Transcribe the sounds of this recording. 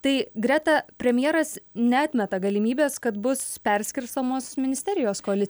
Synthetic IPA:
t̪ɐɪɡɾʲæt̪ɐpʲɾʲɛmʲjɛːɾɐsnʲɛɑːt̪ʲmʲɛt̪ɐɡɐlʲɪmʲiːbʲeːskɐt̪bʊspʲɛɾʲsʲkʲɪɾst̪oːmoːsmʲɪnʲɪsʲt̪ʲɛɾʲɪjoːskoɐlʲɪ

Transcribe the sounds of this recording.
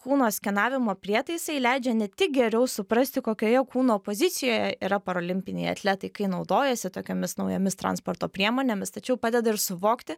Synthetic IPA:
kuːnoːsʲkʲɛnɑːʋʲɪmoːpʲɾʲiɛt̪ɐɪsɐɪlʲæɪd͡ʒʲɛnʲɛt̪ʲɪk̚ɡʲɛɾʲɛʊsʊpɾɐsʲt̪ʲɪkoːkʲoːjɛkuːnoːpoːzʲɪt̪sʲɪjoːjɛiːɾɐpɐɾoːlʲɪmʲpʲɪnʲɛ̰ɪɐ̰t̪ʲlʲæːt̪ɐɪkɐɪnɒʊd̪oːjɛsʲɪt̪oːkʲoːmʲɪsnɒʊjomʲɪst̪ɾɑ̰nspoːɾt̪oːpʲɾʲiɛmoːnʲeːmʲɪst̪ɐt͡ʃʲɛʊpɑːd̪ʲɛd̪ɐɪɾsʊʋoːkt̪ʲɪ

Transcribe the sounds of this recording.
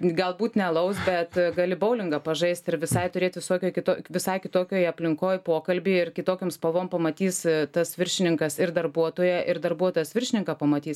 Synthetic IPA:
ɡɐlˠbuːt̪nʲɛlˠɐʊsbʲɛt̪ɡɐlʲɪbɐʊlʲɪŋɡɐpɐʒɐɪst̪ɪɾʋʲɪsɐɪt̪ʊɾʲeːt̪ʋʲɪsoːkʲoːjkʲɪt̪oːʋʲɪsɐɪkʲɪt̪oːkʲoːjɐpʲlʲɪŋkoːjpoːkɐlʲbʲɪːɪrkʲɪt̪oːkʲoːmspɐʋoːmpɐmɐt̪ʲiːst̪ɐsʋʲɪɾʲʃʲɪnʲɪŋkɐsɪɾd̪ɐrbuɔt̪oːjɛʔɪrd̪ɐrbuɔt̪oːjɛsʋʲɪrʲʃʲɪnʲɪŋkɑpɐmɐt̪ʲiːs

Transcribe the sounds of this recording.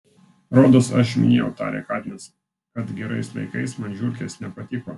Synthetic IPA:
ɾoːd̪osɐʃmʲɪ̰nʲeːjɛ̰ʊt̪ɑ̰ːɾʲɛ̰kɑːd̪ʲnʲɛs | kɐt̪ɡʲɛɾɐɪsʋɐ̰ɪkɐɪsmɐnʲʒʲuɾʲkʲesnʲɛpɐt̪ʲɪko̰ː

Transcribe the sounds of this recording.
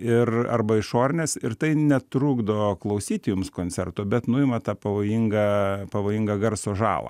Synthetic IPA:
ɪrɐ̰rbɐɪʃoːɾʲɪnʲeːsɪrt̪ɐɪnʲɛt̪ɾuːɡd̪oːklˠɐʊsʲiːt̪ʲɪjʊmskoːnʲt͡ssʲɛrt̪ʊːbʲɛt̪nʊɪmɐt̪ɑːpɐʋoːjiŋɡɐpɐʋoːjɪŋɡɐɡɐɾsoːʒɑ̰ːlˠɐ̰ː

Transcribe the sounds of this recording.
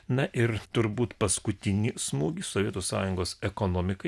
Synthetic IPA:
nɐʔɪɾt̪ʊɾbuːt̪pɐskʊt̪ʲɪnʲiːsmuːɡʲiːsoʋʲiɛt̪uːsɑ̰ːjʊŋɡoːsɛkoːnoːmʲɪkɐ

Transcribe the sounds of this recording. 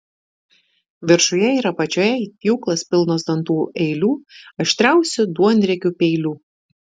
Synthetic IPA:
ʋʲɪɾʃʊjɛiːɾɐpɐt͡ʃʲoːjɛiːt̪ʲiʊklˠɐspʲɪlˠnoːsd̪ɐnt̪uːʔɛɪlʲuːɐʃʲt̪ʲɾʲæˑʊsʲʊd̪uɔnʲd̪ʲɾʲɛkʲupʲɛɪlʲuː

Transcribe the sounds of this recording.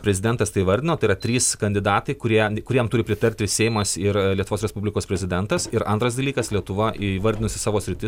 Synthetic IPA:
pʲɾʲɛzʲɪd̪ʲɛnt̪ɐst̪ɐɪiʋɐɾʲd̪ʲɪnoːt̪ɐɪɾɐt̪ʲɾʲiːskɐnʲd̪ʲɪd̪ɑːt̪ɐɪkʊɾʲiɛkʊɾʲiɛjmt̪ʊɾʲɪpʲɾʲɪt̪ɐɾʲt̪ʲɪsʲɛɪmɐsɪɾlʲiɛt̪ʊʋoːsɾʲɛspublʲɪkoːspʲɾʲɛzʲɪd̪ʲɛnt̪ɐsɪɾɐ̰nt̪ɾɐs̬d̪ɐlʲiːkɐslʲiɛt̪ʊʋɐʋɐɾʲd̪ʲɪnʊsʲɪsɑːʋoːsʲɾʲɪt̪ʲɪs

